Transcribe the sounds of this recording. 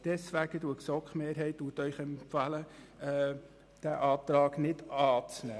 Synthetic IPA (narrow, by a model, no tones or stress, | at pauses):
d̥ɛsʋæɡ̥əduəksɔkχmeːɾɦɛɪtduːtœʏχɛmpfɑlə | ɛ | d̥æʔɑːt̪ɾɑːɡnɪdɑːt͡snæː